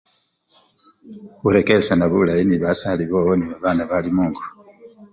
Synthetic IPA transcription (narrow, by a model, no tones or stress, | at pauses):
uɾe̞keɾesanaβṵlajiniβasaliβowoniβaβaːnaβalimuːŋɡu̥